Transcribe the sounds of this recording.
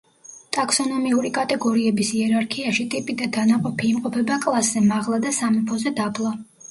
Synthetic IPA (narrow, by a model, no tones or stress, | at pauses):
t̪ʼaksɔnɔmiuɾikʼat̪ʼɛɡɔɾiɛbisiɛɾaɾkʰiaʃit̪ʼipʼid̪ad̪anaqʼɔpʰiːmqʼɔpʰɛbakʼlˠasz̥ɛmaʁlˠad̪asamipʰɔzɛd̪ablˠa